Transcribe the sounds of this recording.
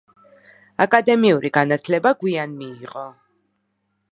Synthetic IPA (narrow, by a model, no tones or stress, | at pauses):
akʼad̪ɛmiuɾʔiɡanat̪ʰlɛbaɡwianmiːqʼɔ